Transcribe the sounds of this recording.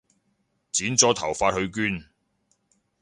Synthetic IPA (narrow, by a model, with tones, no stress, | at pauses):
t͡siː˨˥nt͡sɔː˨˥t̪ʰɐ˨˩wfaː˧t̚hɵ˧ɥkyː˥n